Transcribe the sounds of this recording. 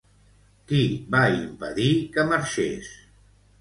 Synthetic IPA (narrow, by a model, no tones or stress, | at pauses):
kibaimpə̰ðikəməɾʃḛs